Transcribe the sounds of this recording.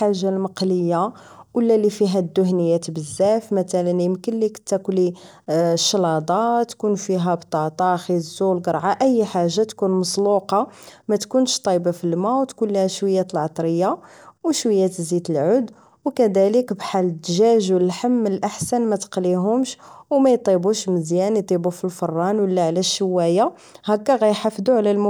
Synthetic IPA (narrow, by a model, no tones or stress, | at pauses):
ħaʒːalməqləjːa | wəlːælifiɦæd̪ːʊhnəjːæt̪bəzːæfmæt̪ælənimkənlikt̪ːækli | ʃːlɑd̪ˤɑt̪ːkunfiɦæbt̪ˤɑt̪ˤɑxizːulɡəɾˤʕaʔəjːħaʒːat̪kunmɑsˤluqɑmæt̪kunʃt̪ˤɑjbafilmawt̪kunlihæʃwəjːæt̪əlʕɑt̪ˤɾəjːa | wʃwəjːæt̪zid̪əlʕʊd̪ | wkæd̪æləkbħalːəd̪ːʒæʒwlħəmːənəlʔaħsænmæt̪ə̥qliɦʊmʃwmæjt̪ˤibuʃməzjænjt̪ˤibufilfɑrˤːɑnwəlːæʕlæʃːəwːæja | hækːæɣæjħafd̪uʕlælm